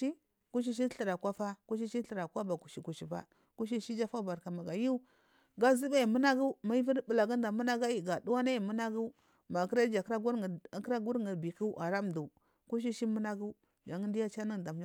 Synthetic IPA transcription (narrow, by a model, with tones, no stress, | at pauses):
i˦ | ku˦ʃ̬i˦ʃ̬i˦ɬə˨ɾa˨kʷa˦fa˦ku˦ʃ̬i˦ʃi˦ɬə˨ɾa˨kwa˦ba˨ku˨ʃi˨ku˨ʃi˨ba̰˦ | ku˦ʃ̬i˦ʃi˦d͡ʒa˦fa˦˨ba˨ɾka˨ma˨ɡa˨ju˦u˦ | ɡa˦zi˦ba˦i˨mu˦na˦ɡu˦ma˦i˦vi˦ɾbə˨la˨ɡa˦da˨mu˦na˦ɡa˦ji˨ɡa˨du˦wa˦na˦ji˨mu˦na˦ɡu˦ | ma˨kɾa˦d͡ʒa˨kɾa˦ɡu˦˨kɾa˦ɡu˦ɾŋi˨bi˨ki˦ʔa˨ɾa˦m˨du˨ | ku˦ʃ̬i˦ʃi˦mu˦na˦ɡu˦ | d͡ʒa˨ŋə˦ndi˦ja˦t͡ʃa˦ni˦˨da˨m˨d͡ʒ